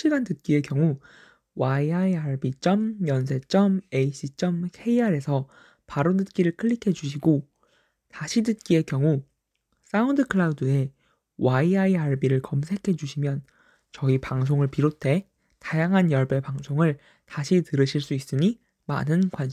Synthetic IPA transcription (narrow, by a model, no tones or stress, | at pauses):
ɕ͈ʰiɡandɯt̚k͈ie̞kjʌŋu | waiaiaɭbit͡ɕ͈ʌmjʌns̬ʰe̞t͡ɕ͈ʌme̞iɕ͈it͡ɕ͈ʌmkʰe̞iaɾe̞sʰʌ | paɾodɯt̚k͈iɾɯɭkʰɯɭːikʰe̞d͡ʑuɕʰiɡo | taɕʰidɯt̚k͈ie̞kjʌŋu | s͈aundɯkʰɯɭaudɯe̞ | waiaiaɭbiɾɯɭkʌmsʰe̞kʰe̞d͡ʑuɕʰimjʌn | t͡ɕʌipaŋs̬ʰoŋɯɭpiɾotʰe̞ | tajaŋɦanjʌɭbe̞paŋsʰoŋɯɭ | taɕʰitɯɾɯɕʰiɭs͈uis͈ɯɲi | ma̰nɯnkwanɕʰi